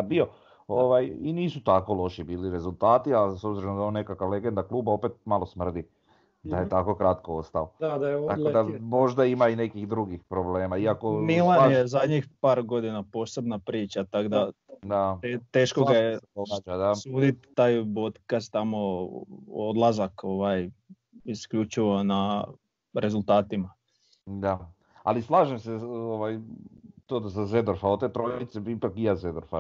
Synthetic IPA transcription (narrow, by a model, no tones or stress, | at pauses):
abio̞ | oʋajiniːsut̪ako̞lˠo̞ʃibiːliɾe̞zulˠt̪aːt̪iasobziɾod̪aonːekakaʋle̞ɡend̪aklˠuːbao̞pet̪̚malosmr̩d̪i | d̪ajet̪ako̞kɾat̪koost̪aod̪ad̪ajeoakod̪amo̞ʒd̪aimaine̞kixd̪ɾuɡixpɾobleːmaiakomilˠanjezad̪ɲixpaːɾɡo̞d̪inapo̞se̞bnapɾiːt͡ʃat̪aɡd̪a | d̪aet̪eːʃkoɡajeoaad̪asuːd̪it̪ːaːjpot̪kast̪amo̞ | od̪lˠazako̞ʋaj | iskʎut͡ʃiʋona | ɾʔe̞zult̪aːt̪ima | d̪a | a̰lislˠaːʒemseoʋajt̪oːd̪zazed̪oɾfaot̪eːt̪ɾojit̪sebipakijazed̪oɾfa̰